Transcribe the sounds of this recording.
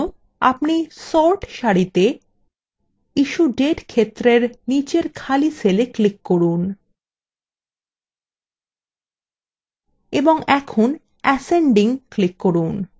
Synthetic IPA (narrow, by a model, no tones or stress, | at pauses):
a̰pnisɔɾʈʃaɽit̪e | iʃuɖeʈkʰet̪ːɾeɾnit͡ɕeɾkʰalisʰeleklikːoɾun | eboŋɛkʰon | ɛseɳɖiŋklikːoɾun